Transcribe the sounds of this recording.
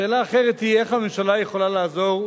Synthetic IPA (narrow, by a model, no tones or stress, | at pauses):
eːlaːχeʁet̪hieχhamemʃalajeχolalaːzo̞ʁ